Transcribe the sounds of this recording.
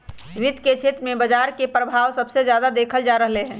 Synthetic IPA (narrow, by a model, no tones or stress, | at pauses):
ʋid̪ʱket͡ʃʰet̪ɾəmẽbəd͡ʒaɾkepɾəbʱawsəbsed͡ʒjad̪ad̪ekʰəld͡ʒaɾəɦleɦɛ̃ː